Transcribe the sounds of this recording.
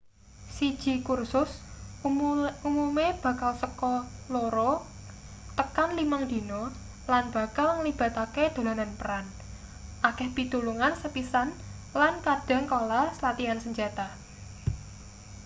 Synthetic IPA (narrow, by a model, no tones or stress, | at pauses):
sid̥ʒ̥i̤kursʊs | umumeb̥ä̤kalsəkɔloɾɔ | t̪əkanlimaŋd̪̥i̤nɔ | lanb̥ä̤kalŋlib̥a̤t̪aked̪̥o̤lananpəɾan | ʔakɛhpit̪uluŋansəpisan | lankad̥a̤ŋkolasəlat̪iansəɲd͡ʒat̪a